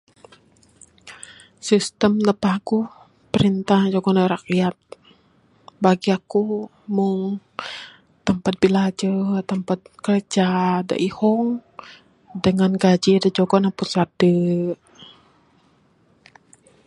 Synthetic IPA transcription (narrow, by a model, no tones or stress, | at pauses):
sist̪əmnəpahku | pəɾint̪ahd͡ʒɔɡɔnaɾakjat̪̚ | baɡiaku | muŋ | t̪əmpat̪̚bilad͡ʒət̪əmpat̪̚kəlt͡ʃada̰ʔihɔŋ | dəŋanɡad͡ʒidad͡ʒɔɡɔnaput̪sat̪̚d̥ə